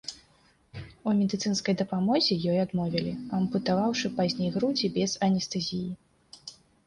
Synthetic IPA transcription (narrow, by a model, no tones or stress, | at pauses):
umʲɛd̪ɨt̪sɨnskɐjd̪ɐpamɔzʲɛjɔjad̪mɔvʲɛlʲiɐmput̪avawʂɨpazʲnʲejɣɾud͡zʲibʲɛzɐnʲɛst̪ɐzʲiji